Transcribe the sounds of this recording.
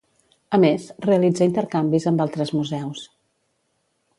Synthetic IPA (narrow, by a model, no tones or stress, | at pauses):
əmesreəlid͡zaint̪əɾkambizəmbalˠt̪ɾəzmuzɛws